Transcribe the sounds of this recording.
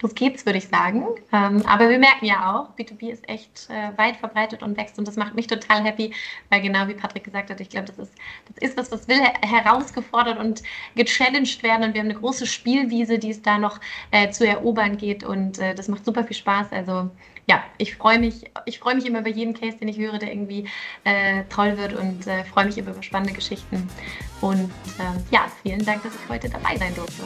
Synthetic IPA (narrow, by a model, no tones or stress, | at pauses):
d̥asɡ̥eːtsv̥ʏɐɾəɪçz̥aːɡŋ̩ʔɛːmʔa̰ːbɐviːɐmɛɐkŋ̩jaːʔaʊχb̥iːtʰubiːɪstʔɛ̰çtʔɛːvaɪtfɛɐbʁaɪtətʊntv̥ɛkstʊntd̥asmaχt̚mɪçtʰotʰaːlɦɛpivaɪlɡənaʊviːpʰatʁ̥ɪk̚ɡ̥əzaːk̚thatɪçɡ̥laʊbəd̥asɪsd̥asʔɪstv̥asd̥asv̥ɪlɦɛʁaʊsɡ̥əfɔɐɾɐtʊntɡ̥ət͡ʃɛlɛnʃtv̥eːɐdn̩ʊntv̥iɐhamnəɡʁoːsəʃpiːlviːzədiːɛsd̥aːnɔχʔɛːt͡suɛɐʔoːbɐnɡeːtʔʊ̰ntʔɛːdasmaχtz̥uːpɐfiːlʃpaːsʔa̰lzo | jaːʔɪçfʁ̥ɔʏəmɪçʔɪçfʁ̥ɔʏəmɪçʔɪmɐʔyːbaɐjeːdm̩kʰɛːstd̥eːnɪçhøːʁ̞ədeːɐʔɪɐɡŋ̩tv̥iːʔɛːtʰɔlvɪɐtʊ̰ntʔɛːfʁ̥ɔʏəmɪçʔɪmɐʔyːbɐʃpanəndəɡəʃɪçtn̩ʔʊntʔɛːmja̰ːfiːləndaŋk̚d̥asɪçhɔʏtəda̰ba̰ɪzaɪndʊɐftə